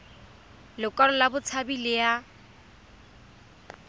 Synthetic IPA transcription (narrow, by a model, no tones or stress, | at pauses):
lokʼɔlʊlabʊt͡sʰabilea